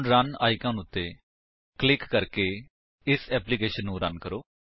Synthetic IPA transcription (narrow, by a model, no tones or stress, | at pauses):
ɳɾənaːikãːnʊt̪ːeː | klɪkːəɾkeː | ɪsɛːpliːkeːʃənːũːɾənkəɾoː